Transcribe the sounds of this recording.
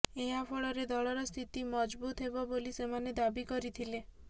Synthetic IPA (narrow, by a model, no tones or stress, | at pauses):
eɦapʰɔɭɔɾed̪ɔɭɔɾɔst̪ʰit̪imɔd͡ʒbut̪ɦebɔbolisemaned̪abikɔɾit̪ʰile